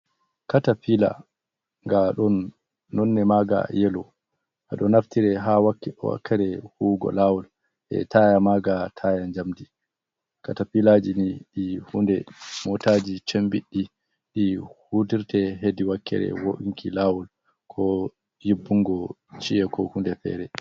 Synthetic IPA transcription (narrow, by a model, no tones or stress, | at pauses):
katapila̰ | ŋɡaɗɔnː | ɔnːɛmaːɡa̰jɛlɔ | ʔaɗɔnaftiɾɛɦawakːɛwa̰kʰːɛɾɛhuːɡɔ̰lawɔl | ʔɛ̰tʰajamaːɡatʰajaɲd͡ʒamdi | katafilad͡ʒiniɗihundɛmɔtaːd͡ʒit͡ʃembiɗːi | ɗihudiɾtɛɦediwakʰːɛ̰ɾɛ̰woʔiŋkʰilawɔl | kʰɔ | jibːuŋɡɔ | t͡ʃiɛkʰɔhundɛfɛ̰ːɾɛ